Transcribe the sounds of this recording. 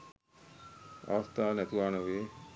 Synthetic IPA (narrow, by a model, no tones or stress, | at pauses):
a̰ːɐst̪aːnæt̪uʋaːnəʋeː